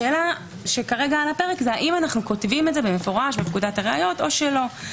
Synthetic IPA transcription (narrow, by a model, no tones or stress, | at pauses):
eːla | ʃe̞kaʁeɡaalape̞ʁekzeaʔimanaχnuko̞tvimetze̞bemefo̞ʁaʃbepkudataʁea̰jo̞to̞ʃelo̞